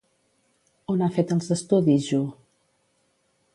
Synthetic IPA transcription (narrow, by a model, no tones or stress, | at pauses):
onafet̪əlˠzəst̪uðizʒu